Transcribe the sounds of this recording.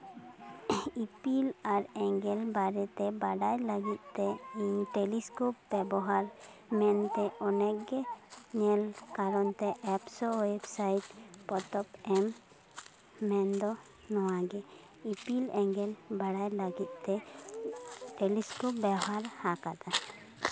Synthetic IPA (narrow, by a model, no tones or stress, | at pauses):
ipilaɾɛŋɡɛlbaɾɛt̪ɛbaɽajləɡit̪̚ˀt̪ɛʈɛliskop̚bɛbɔɦaɾ | mɛnt̪ɛɔnɛkɡɛɲɛlkaɾɔnt̪ɛʔɛpsɔɛbsajt̚pɔt̪ɔpɛm | ɛnd̪ɔ | nɔwaɡɛ | ipilɛŋɡɛlbaɽajləɡit̪̚ˀt̪ɛ | ʈɛliskɔp̚bɛɦaɾhakat̪a